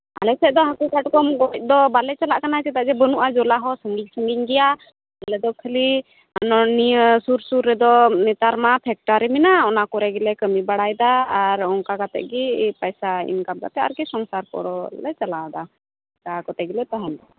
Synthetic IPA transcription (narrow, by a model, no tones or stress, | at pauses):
a̰lɛsɛd̪ɔɦakukaʈkɔmɡɔc̚ˀd̪ɔbalɛt͡ʃalaʔkanat͡ʃɛt̪aʔd͡ʒɛbənuʔad͡ʒɔlaɦɔsəŋɡiɲsəŋɡiɲɡɛja | alɛd̪ɔkʰəli | aɔnɔnisuɾsuɾːɛd̪ɔnɛt̪aɾmapʰɛk̚ʈaɾiminaɔnakɔɾɛɡɛlɛkəmibaɽajd̪aːɾɔŋkakat̪ɛ̰ʔɡipajsaḭnkam̚ɡa̰p̪ɛa̰ɾkɛsɔŋsaɾkɔ̰ɽɔlɛt͡ʃalad̪a | kakɔt̪ɛɡilɛt̪aɦɛnd̪ɔ